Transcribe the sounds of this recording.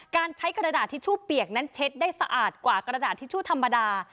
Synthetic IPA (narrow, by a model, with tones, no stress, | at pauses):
kaː˧nt͡ɕʰa˦˥jkɾa˧daː˨˩t̪ʰːiː˦˥˩t͡ɕʰuː˥˩pi˨˩ək̚na˦˥nt͡ɕʰe˦˥t̪̚daː˥˩jsa˧ʔaː˨˩t̪̚kwaː˨˩kɾa˧daː˨˩t̪ʰːiː˦˥˩t͡ɕʰuː˥˩t̪ʰa˧mːa˧daː˧